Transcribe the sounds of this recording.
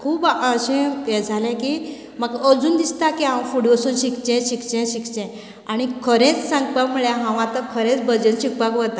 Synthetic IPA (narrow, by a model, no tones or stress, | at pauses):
kʰuːbəɕɛ̃ɛd͡zʱalɛ̃ki | məɡəd͡zuːnd̪ist̪akiãwfuɽʋəsuːnɕikt͡ɕɛ̃ɕikt͡ɕɛ̃ɕikt͡ɕɛ̃ | aɽ̃ikʰəɾẽt͡ssãŋɡpaməɭjãɦãʋãt̪əkʰəɾẽt͡sbəd͡ʑənɕik̚pakʋət̪a